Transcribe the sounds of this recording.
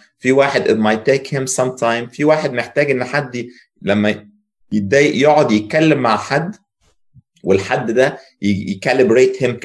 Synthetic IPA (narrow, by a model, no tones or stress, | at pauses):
fiwaːħed̪ʔḛmajt̪ːeːkhemsɑmt̪ʰajmfiwaːħed̪̚meħt̪æːɡʔenːħad̪ː | læmːæ | jed̪ːæːjeʔjoʕod̪jet̪̚kælːemːaʕħad̪ː | welħad̪ːd̪æ | jjkælebɾeːt̪hem